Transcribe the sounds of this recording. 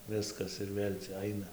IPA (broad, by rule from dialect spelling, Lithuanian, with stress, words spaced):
ˈʋʲɪskɐs ɪr ˈʋʲeːlʲ t͡sʲɛ ˈɐɪnɐ